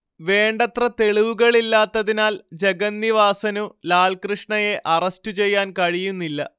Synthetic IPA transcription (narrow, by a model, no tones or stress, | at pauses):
ʋe̞ːɳɖɐt̪rɐt̪e̞ɭiʋuɣɐɭilːaːt̪ːɐðinaːld͡ʑe̞ɡɐnːiʋaːsɐnulaːɭkrɨʂɳɐje̞ʔɐrɐstut͡ɕe̞jːaːnkɐɻijunːilːɐ̰